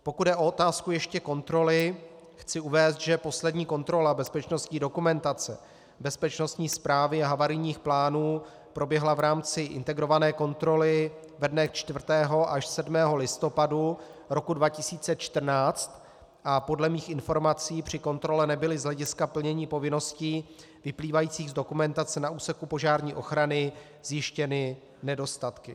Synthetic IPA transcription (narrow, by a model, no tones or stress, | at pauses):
po̞kud̚dɛʔo̞ot̪aːskujɛʃcɛko̞nt̪ɾo̞lɪ | xt͡sɪuvɛːst̪ʒɛpo̞slɛdɲiːko̞nt̪ɾo̞labɛspɛt͡ʃno̞st̪ɲiːdo̞kumɛnt̪at͡sɛ̰ | bɛspɛt͡ʃno̞st̪ɲiːspɾaːvɪaɦavaɾɪjɲiːxplaːnuː | pɾo̞bjɛɦlavɾaːmt͡sɪʔɪ̰nt̪ɛɡɾo̞vanɛːko̞nt̪ɾo̞lɪ | vɛdnɛxt͡ʃt̪vrt̪ɛːɦo̞ʔaʃsɛdmɛːɦo̞lɪst̪o̞padu | ɾo̞kudvacɪsiːt͡sɛt͡ʃt̪r̩naːt͡st̪ | ʔapo̞dlɛmiːxʔɪnfo̞ɾmat͡siːpr̥ɪko̞nt̪ɾo̞lɛnɛbɪlɪzɦlɛɟɪskapl̩ɲɛɲiːpo̞vɪno̞sciː | vɪpliːvajiːt͡siːɣzdo̞kumɛnt̪at͡sɛnaʔuːsɛkupo̞ʒaːɾɲiːʔo̞xɾanɪ | z̥jɪʃcɛnɪ | nɛdo̞st̪at̪kɪ